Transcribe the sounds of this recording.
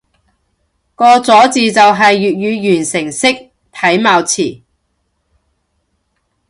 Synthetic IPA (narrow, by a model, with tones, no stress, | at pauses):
kɔː˧t͡sɔː˨˥t͡siː˨˧t͡sɐ˨wɦɐ˨jːyː˨t̚jyː˨˧jyː˨˩nsɪ˨˩ŋsɪ˥k̚ | t̪ʰɐ˨˥jmaː˨˧wt͡sʰiː˨˩